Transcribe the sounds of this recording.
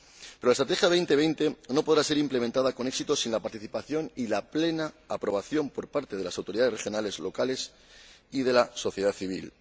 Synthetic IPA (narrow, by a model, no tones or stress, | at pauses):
peɾoaest̪ɾat̪e̞xjaβ̞e̞jnt̪e̞βejnt̪e̞no̞po̞ð̞ɾaseɾimplemẽnt̪aðako̞ne̞ksit̪o̞sinlapaɾt̪iθipaθjo̞nilaple̞naːpɾo̞β̞aθjo̞mpo̞ɾpaɾt̪e̞ðe̞lasawt̪o̞ɾiðaðrexjonale̞zlo̞kale̞s | ið̞e̞laso̞θje̞ð̞aθiβ̞ḭl